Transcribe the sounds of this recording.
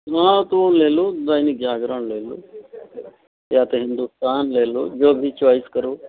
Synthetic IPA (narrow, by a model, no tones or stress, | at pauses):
ɦãt̪uoleːlod̪aːinik̚d͡ʒaːɡɾəɳleːlo̰ː | jaːt̪eɦɪ̃nd̪ust̪aːnleːlod͡ʒoːbʱit͡ʃoːiskəɾoː